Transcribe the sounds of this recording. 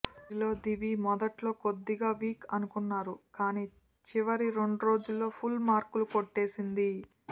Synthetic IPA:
ilo̞ːd̪iʋimɔd̪ɐʈlo̞ːkod̪ːiɡaːʋiːkɐnukunːaːɾukaːniː | t͡ʃiʋɐɾiɾe̞ɳɖuɾo̞ːd͡ʒulːo̞ːpʰulmaːɾkulukoʈːe̞ːsind̪i

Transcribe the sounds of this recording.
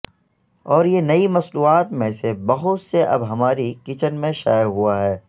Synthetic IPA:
ɔːɾjenɐimɐsluːaːt̪mẽsebɐɦʊt̪seʔɐ̰bɦɐmaːɾikɪt͡ʃənmẽʃa̰ːɦuaɦɛː

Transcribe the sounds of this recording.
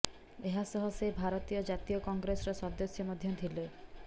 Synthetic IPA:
eɦasɔɦɔsebʱaɾɔt̪ijɔd͡ʒat̪ijɔkɔŋɡɾesɔɾɔsɔd̪osjɔmɔd̪ʱjɔd̪ʰʱile

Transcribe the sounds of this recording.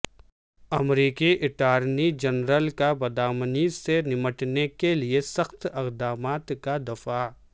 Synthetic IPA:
ɐmɾiːkiʔɪʈaːɾnid͡ʒɐnɾəlkabɐd̪aːmənisenɪməʈnekeliesɐxt̪ɪqd̪aːmaːt̪kad̪ɐfaː

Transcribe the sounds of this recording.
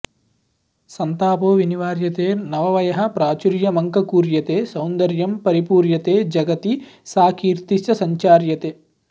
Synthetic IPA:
sɐnt̪aːpoːʋiniʋaːɾjɐt̪eːnɐʋɐʋɐjɐɦɐpɾaːt͡ʃuɾjɐmɐŋkɐkuːɾjɐt̪eːsɐwnd̪ɐɾjɐmpɐɾipuːɾjɐt̪eːd͡ʒɐɡɐt̪isaːkʰiːɾt̪isɐsɐɲt͡ʃaːɾjɐt̪eː

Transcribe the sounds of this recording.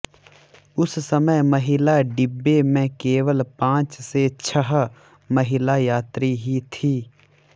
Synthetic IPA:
ʊssəməjməɦɪlaɖɪbːemẽkeːʋəlpãːt͡ʃset͡ʃʰəɦ | məɦɪlajaːt̪ɾiɦit̪ʰiː

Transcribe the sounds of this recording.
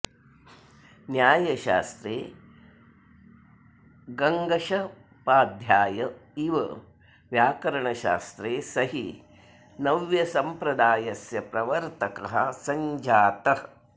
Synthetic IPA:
njaːjɐʃa̰ːst̪ɾeː | ɡɐŋɡɐʃɐ | paːd̪ʱjaːjɐiʋɐ̰ | ʋjaːkɐɾɐɳɐʃa̰ːst̪ɾeːsɐɦi | nɐʋjɐsɐmpɾɐd̪aːjɐsjɐpɾɐʋɐɾt̪ɐkɐɦɐ̰sɐɲd͡ʒaːt̪ɐ

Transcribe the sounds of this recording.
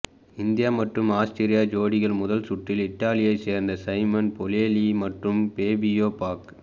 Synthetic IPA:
ɪnd̪ɪjaːmɐʈrɯmaːsʈɪɾɪjaːd͡ʒoːɽɪɣɐɭmʊðɐlsʊʈːɪlɪʈːaːlɪjɐɪseːɾnd̪ɐsɐɪmɐnpɔleːlimɐʈrɯmpeːbɪjoːpaːk

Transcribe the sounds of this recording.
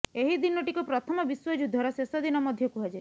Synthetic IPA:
eɦid̪inɔʈikɔpɾɔt̪ʰɔmɔbiswɔd͡ʒud̪ʱːɔɾɔsesɔd̪inɔmɔd̪ʱjɔkuɦad͡ʒe

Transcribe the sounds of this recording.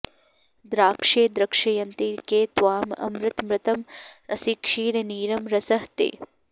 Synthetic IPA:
d̪ɾaːkʂeːd̪ɾɐkʂɐjɐnt̪ikeːt̪ʋaːmɐ̰mɾɪt̪mɾɪt̪ɐmɐsikʂiːɽɐniːɾɐmɾɐsɐɦt̪ḛː

